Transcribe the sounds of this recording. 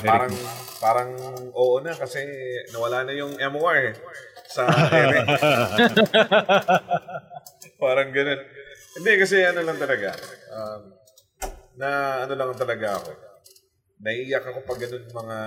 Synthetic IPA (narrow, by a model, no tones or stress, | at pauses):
paːɾɐŋpaːɾɐŋʔo̞ːʔonɐkɐsɛnɐwɐlaːnɐjʊŋʔɛmoaɹɛsɐʔɛɾɛ | paːɾɐŋɡɐno̞nhɪnd̪ɛkɐs̬ɛɐnolɐŋt̪ɐlɐɡaʔam | nɐʔɐno̞lɐŋt̪ɐlɐɡaʔɐ̰ko̞ | nɐʔiːjɐkɐko̞pɐɡːɐno̞nmɐŋa